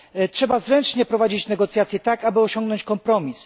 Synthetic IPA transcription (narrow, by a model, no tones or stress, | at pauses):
tʂɛbazɾɛnt͡ʂɲɛpɾɔvad͡ʑit͡ɕnɛɡɔt̪sjat̪sʲjɛt̪akabɘɔɕɔŋɡnɔɲt͡ɕkɔmpɾɔmʲis